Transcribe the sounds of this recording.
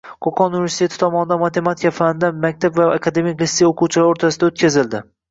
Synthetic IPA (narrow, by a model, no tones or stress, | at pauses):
qʰoqʰɒnunive̞ɾsit̪ʰe̞t̪ʰɪ̥t̪ʰɒmɒnɪd̪anmat̪ʰe̞mat̪ʰɪkʲafand̪anmak̚ʲt̪ʰabvaakʰad̪e̞mikʲlisejoqʰuwt͡ʃʰɪlaɾoɾt̪ʰasɪd̪aot̪kʲʰazɪld̪ɪ